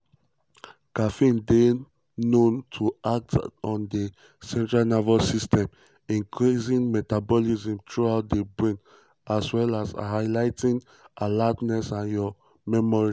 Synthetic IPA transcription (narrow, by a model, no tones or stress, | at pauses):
kafĩnde | nõntʰuak̚tɔ̃nde | sɛ̃ntɹalnɔvɛsistʰɛ̃m | ĩŋkʰɹizĩŋmɛtabɔlizĩmtʰɹuaʊt̚debɹĩn | aswɛlashaɪlaɪtĩn | ʔalatnɛsãnjɔ | mɛmɔɹi